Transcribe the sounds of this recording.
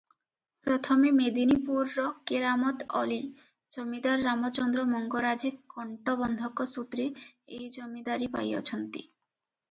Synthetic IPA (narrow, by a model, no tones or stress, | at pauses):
pɾɔt̪ʰɔmemed̪inipuɾːɔkeɾamɔt̪ɔ̰li | d͡ʒomid̪aɾːamɔt͡ʃɔnd̪ɾɔmɔŋɡɔɾad͡ʒiɔɳʈɔbɔnd̪ʱɔkɔsut̪ɾiejd͡ʒɔmid̪aɾipa̰jɔ̰t͡ʃʰɔnt̪ḭ